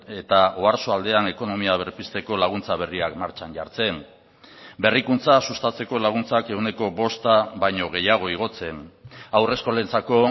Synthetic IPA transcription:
e̞t̪aoaɾsoald̪e̞ane̞ko̞no̞miaβeɾpist̪e̞ko̞laɣ̞unt͡saβ̞e̞riakmaɾt͡ʃanɟaɾt͡se̞n | be̞rikunt͡sasust̪at͡se̞ko̞laɣ̞unt͡sake̞ɣwne̞ko̞βo̞st̪aβajɲo̞ɣ̞e̞jaɣ̞o̞iɣ̞o̞t͡se̞nawre̞sko̞le̞nt͡sako̞

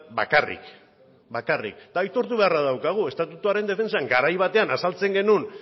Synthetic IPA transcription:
ba̰karḭk | bakarḭk̚t̪ajt̪o̞ɾt̪uβe̞arað̞awkaɣ̞ue̞st̪at̪ut̪uaɾe̞nd̪e̞fe̞nsaŋɡaɾajβ̞at̪e̞anasalt͡se̞ŋɡe̞nun

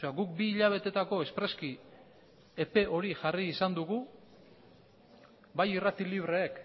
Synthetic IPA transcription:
eaɡuk̚biːʎaβ̞e̞t̪e̞t̪ako̞e̞spɾe̞ski | e̞pe̞ʔo̞ɾiʝariːsand̪uɣu | bajirat̪iliβ̞ɾe̞ːk

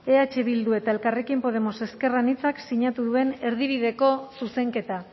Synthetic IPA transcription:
e̞at͡ʃe̞βild̪ue̞t̪ae̞lkare̞kimpo̞ðe̞mo̞se̞ske̞ranit͡saksiɲat̪uðue̞ne̞ɾðiβ̞iðe̞ko̞suse̞ŋke̞t̪a

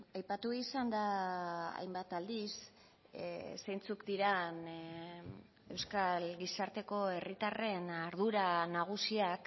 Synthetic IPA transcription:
ajpat̪uisand̪aa̰jmbat̪ald̪is | sejnt͡sukd̪iɾan | e̞wskalɡisaɾt̪e̞ko̞e̞rit̪are̞naɾð̞uɾanaɣ̞usiak

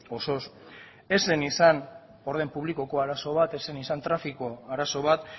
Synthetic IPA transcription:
o̞so̞s | e̞se̞nisan | o̞ɾð̞empuβliko̞ko̞aɾaso̞β̞at̪e̞se̞nisant̪ɾafiko̞aɾaso̞βat̪

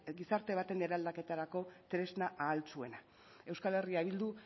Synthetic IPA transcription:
ɡisaɾt̪e̞β̞at̪e̞neɾald̪ake̞t̪aɾako̞t̪ɾe̞znaʔaːlt͡sue̞na | e̞wskale̞riaβild̪u

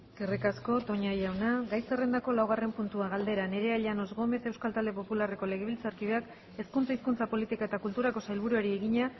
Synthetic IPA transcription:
kerikasko̞t̪o̞ɲajawnaɡajsere̞nd̪ako̞lawɣ̞are̞mpunt̪uaɣald̪e̞ɾane̞ɾe̞aʎano̞zɣo̞me̞se̞wskalt̪ald̪e̞po̞pulare̞ko̞le̞ɣe̞β̞ilt͡saɾkiβ̞e̞ak | e̞skunt͡saiskunt͡sapo̞lit̪ikaet̪akult̪uɾako̞sajlβ̞uɾueɾieɣiɲa

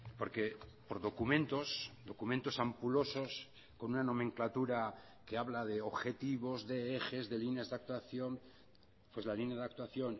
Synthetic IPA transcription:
po̞ɾke̞po̞ɾðo̞kumẽnt̪o̞sd̪o̞kumẽnt̪o̞sampulo̞so̞s | ko̞nunanõ̞mẽŋklat̪uɾa | keaβlaðe̞oβxe̞t̪iβo̞zðe̞exe̞zðe̞lineazðeak̚t̪waθjo̞n | pwe̞zlalineaðak̚t̪waθjo̞n

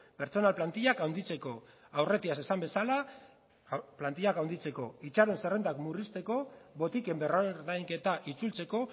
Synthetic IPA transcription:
pe̞ɾt͡so̞nalplant̪iʎakawnd̪it͡se̞ko̞ | awre̞t̪iase̞sambe̞sala | plant̪iʎakawnd̪it͡se̞ko̞it͡ʃaɾe̞nse̞re̞nd̪akmurist̪e̞ko̞βo̞t̪ike̞mbe̞roɾðajŋke̞t̪aʔit͡sult͡se̞ko̞

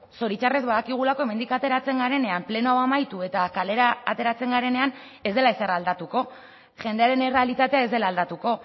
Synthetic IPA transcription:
so̞ɾit͡ʃare̞zβaðakiɣ̞ulako̞e̞me̞nd̪ikat̪e̞ɾat͡se̞ŋɡaɾe̞ne̞ample̞noawamajt̪ue̞t̪akale̞ɾaːt̪e̞ɾat͡se̞ŋɡaɾe̞ne̞an | e̞zd̪e̞laeseraːld̪at̪uko̞ | ʝe̞nd̪e̞aɾe̞ne̞realit̪at̪e̞ae̞zd̪e̞laːld̪at̪uko̞

